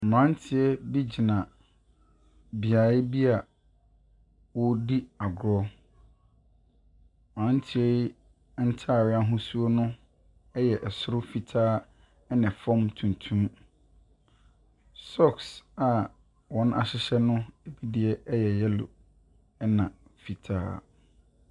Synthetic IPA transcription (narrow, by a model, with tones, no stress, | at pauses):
m̩˨mã˨˦n˦tʰɪ˨˦ɛ˦bi˦d͡ʑi˨nã˨ | bi˨aː˨ɪ˦bi˦a˨ | wɔ˦di˦a˨ɡʊ˨ɾɔ˦˨ | mã˨˦n˦tʰɪ˨ɛ˦ | n̩˦tʰa˦˨ɾɪ˨˦a˦ɦʊ̃˦su˦o˦nʊ̃˦ | ɛ˦jɛ˨ʔɛ˨sʊ˦ɾʊ˦fi˨tʰaː˦ | ɛ˦nã˨fɔ̃˦mtʰũ˨n˨tʰũ˦m | sɔ˦˨ksa˨ | wɔ̃˨˦na̰˨ɕɪ˦ɕɛ˦nʊ̃˦e˨bi˦di˨ɛ˦ɛ˦jɛ˨jɛ˦lʊ̰˨ | ɛ˦nã˨ | fi˨tʰa̰ː˦